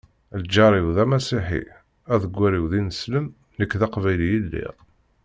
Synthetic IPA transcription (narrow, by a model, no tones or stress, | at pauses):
ld͡ʒːɑɾˤiwðæmæsiħḭ | æðəɡʷːæɾiwðinəsləm | nəkːðɑqvæjlijilːḭʁ